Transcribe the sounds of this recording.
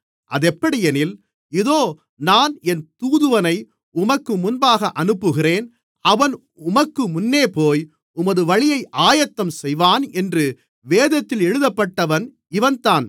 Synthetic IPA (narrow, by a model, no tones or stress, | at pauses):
ʔɐðɛpːɐɽɪjɛnɪl | ɪðoː | naːnɛnt̪uːðɯʋɐnɐɪ | ʊmɐkːɯmʊnbaːɣɐʔɐnɯpːɯɣɪreːn | ɐʋɐn | ʊmɐkːɯmʊnːeːpoːj | ʊmɐðɯʋɐɻɪjɐɪʔaːjɐt̪ːɐmsɛjʋaːnɛndrɯ | ʋeːðɐt̪ːɪlɛɻɯðɐpːɐʈːɐʋɐn | ɪʋɐnt̪aːn